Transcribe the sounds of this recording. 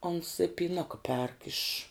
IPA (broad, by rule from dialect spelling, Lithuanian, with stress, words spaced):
oːns ɪ pʲiːˈnʊkɐ pʲɛrk ɪʃ